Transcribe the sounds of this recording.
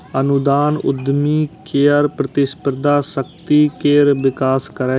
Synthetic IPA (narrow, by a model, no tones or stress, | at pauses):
ənʊd̪aːnʊ̰d̪miːkeːəɾpɾət̪ɪspəɾd̪aːsəkt̪iːkeːɾʋɪkaːskəɾɛː